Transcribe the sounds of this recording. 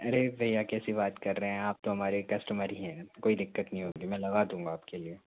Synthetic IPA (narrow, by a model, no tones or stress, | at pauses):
ɐɾebʱɐjakɛːsibaːt̪kɐɾːɐɦɛ̃aːp̚t̪oɦɐmaːɾekɐsʈəməɾiɦɛ̃ːkoːid̪ɪkːət̪nɐɦĩɦoːɡimɛ̃lɐɣad̪ũːŋɡaaːpkelie